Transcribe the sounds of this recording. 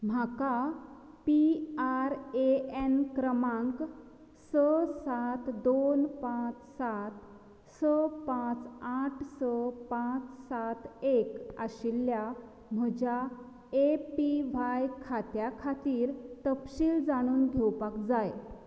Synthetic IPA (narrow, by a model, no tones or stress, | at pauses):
m̤aka | piaɾeenkɾəmãŋk | səsat̪d̪onpãt͡ssat̪ | səpãt͡saʈʰsəpãt͡ssat̪ekaɕilːja | m̤əd͡ʑʱa | epiʋajkʰat̪jakʰat̪iːɾt̪əpɕiːld͡zaɽ̃uːnɡʱewpakd͡zaj